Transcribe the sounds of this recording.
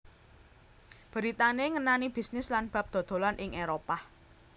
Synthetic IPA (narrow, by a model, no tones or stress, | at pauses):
b̥ə̤ɾit̪aneŋənanib̥i̤snɪslanb̥ä̤p̚d̪̥ɔ̤d̪̥o̤lanʔɪŋʔeɾopa